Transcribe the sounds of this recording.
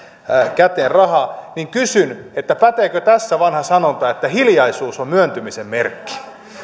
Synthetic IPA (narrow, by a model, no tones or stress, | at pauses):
kæt̪eːnrɑhɑniŋkysynet̪ːæpæt̪eːkøt̪æsːæʋɑnhɑsɑnont̪ɑːet̪ːæhiljɑisuːsommyønt̪ymisemmerkːi̥